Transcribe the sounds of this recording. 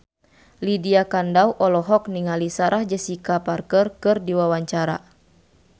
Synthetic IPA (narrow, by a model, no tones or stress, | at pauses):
lidiakandawʔɔlɔɦɔk̚niŋalisaɾʔahd͡ʒəsikaparkərkɨrdiwawaɲt͡ʃaɾa̰